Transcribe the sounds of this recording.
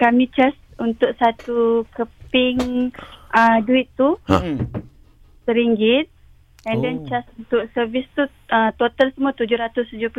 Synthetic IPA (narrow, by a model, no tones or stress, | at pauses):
kamit͡ʃasunt̪ʊk̚sat̪ukəpɪŋ | əduit̪ːu | səɾiŋɡɪt̪̚ | ɛndɛnt͡ʃasunt̪ʊk̚səvist̪u | ət̪ot̪alsəmuat̪ud͡ʒʊhɾat̪ʊst̪ud͡ʒʊp